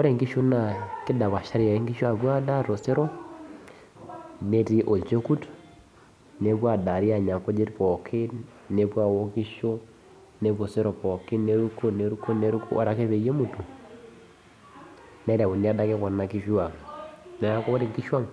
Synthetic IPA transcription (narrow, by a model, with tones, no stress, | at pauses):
wɔ˦ɾe˨ŋɡi˦ʃu˦na˨kɪ˦da˨βa˨ʃa˦ɾi˨ja˨e˦ŋɡi˦ʃo˦a˨βwa˦da˦ɾo˨se˦ɾɔ˦ | ne˦ti˦ʔo˨lt͡ʃe˦ku˦t | ne˨βwa˦˨da˨ɾi˦a˨ɲa˨ŋkɔ˦d͡ʒe˦tpɔ˨kʰɪ˦ | ne˨βwa˨wɔ˦ki˦ʃo˦ | ne˦βo˨se˦ɾɔ˨pɔ˨kɪ˦ne˨ɾu˦ko˦ne˨ɾu˦ko˦ne˦ɾu˦ku˦ʔɔ̰˦ɾa˨ke˦βe˨je˦mu˨tu˨ | nɛ˦ɾa˨wu˨ni˨a˦da˦kɛ˦kɔ˨nːa˨ki˦ʃu˦a˨nɛ˨a˦kɔ˦βɔ˦ɾe˨ŋɡi˦ʃwa˦ŋ